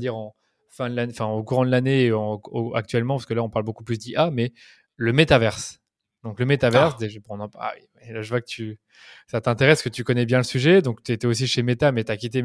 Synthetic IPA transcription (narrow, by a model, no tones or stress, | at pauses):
d̪iʁɑ̃ | fɛ̃d̪əlañfɛ̃okuʁɑ̃d̪əlaneːɑ̃oa̰k̚t̪ɥɛlmɑ̃pasəkəlaɔ̃paʁlbokuplys̬d̪iʔamɛ | ləmet̪avɛʁs | d̪̥ɔ̃kləmet̪avɛʁsd̪eʒapʁɑ̃d̪ɑ̃paa̰wiwɛlaʒəvwakət̪ʰy | sat̪ɛ̃t̪eʁɛskət̪ykɔnɛbjɛ̃ləsyʒɛd̪ɔ̃kt̪yet̪ɛosiʃemet̪amɛt̪yakʲit̪e